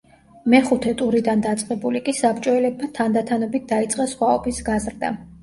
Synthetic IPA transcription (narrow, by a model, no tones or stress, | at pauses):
mɛχut̪ʰɛt̪ʼuɾid̪and̪at̪sʼqʼɛbulikʼisapt͡ʃʼɔɛlɛb̚mat̪ʰand̪at̪ʰanɔbit̪̚d̪ait̪sʼqʼɛsχwaɔbisɡazɾd̪a̰